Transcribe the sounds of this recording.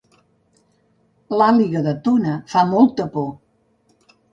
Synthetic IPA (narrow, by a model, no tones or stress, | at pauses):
laliɣəðət̪unəfamɔlˠt̪əpo